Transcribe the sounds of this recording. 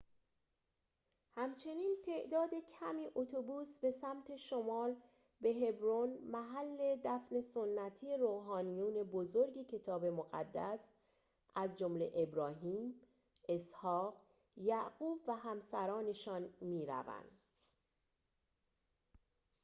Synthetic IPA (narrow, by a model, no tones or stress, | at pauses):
hæmt͡ʃʰe̞niːnt̪ʰe̞ʔd̪ɒːd̪e̞cʰæmiːʔot̪ʰobuːsbe̞sæmt̪ʰe̞ʃomɒːl | be̞ɦe̞bɾonmæɦælːe̞d̪æfne̞sonːæt̪ʰiːeɾoːɦɒːnijuːne̞bozoɾɟecʰe̞t̪ʰɒːbe̞moɣæ̰d̪ːæs | ʔæzd͡ʒomle̞̰ʔebɾɒːɦiːm | e̞shɒːɢ | jæɡuːbvæɦæmsæɾɒːne̞ʃɒːnmiːɾæ̰væ̰nd̪̥